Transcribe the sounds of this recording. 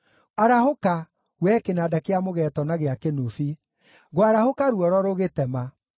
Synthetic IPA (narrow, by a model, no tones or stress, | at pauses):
aɾahoka | wɛkenadakeamoɣɛtɔnaɣeakenufi | ɣwaɾahokaɾuɔɾɔɾoɣetɛma